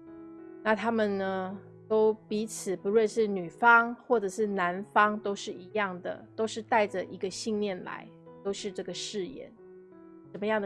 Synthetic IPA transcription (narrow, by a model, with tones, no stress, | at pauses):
na˥˩t̪ʰa˥mə˨nnə˩ | t̪o˥ʊpi˧˥t͡sʰɹ̩˨˩pu˧˦ɻwə˥˧nʂɻ̩˥˩ny˨˩fɑ˥ŋxwɔ˥˩ʈ͡ʂɤ˨˩ʂɻ̩˥˩na˧˦nfɑ˥ŋt̪o˥ʊʂɻ̩˥˩i˧˥jɑ˥˩ŋd̪ə̰˩t̪o˥ʊʂɻ̩˥˧t̪a˥˩ɪʈ͡ʂə˨ʔi˧˥ɡə˧ɕi˥˧ŋljɛ˥˩nla̰˧˥˦ɪ | t̪o˥ʊʂɻ̩˥˧ʈ͡ʂɤ˥˩ɡə˩ʂɻ̩˥˧jɛ̰˨˦n | ʂə˨˩nmə˦jɑ˥˩ŋd̪